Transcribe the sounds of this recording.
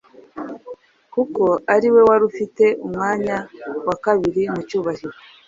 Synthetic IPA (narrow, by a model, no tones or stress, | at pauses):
kuko̞aɾiwe̞waɾufite̞ʔumŋaːɲawakaβiɾimucuːβahiɾo̞